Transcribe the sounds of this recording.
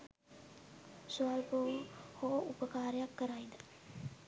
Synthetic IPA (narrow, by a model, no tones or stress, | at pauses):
sualpoʋəhoupəkaːɾəjakːəɾajd̪ə